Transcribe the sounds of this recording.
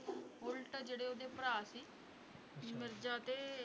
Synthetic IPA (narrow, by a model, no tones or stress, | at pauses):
ʊlʈd͡ʒeːɽeːoːd̪eːpəɾaːsiː | mɪɾd͡ʒaːt̪eː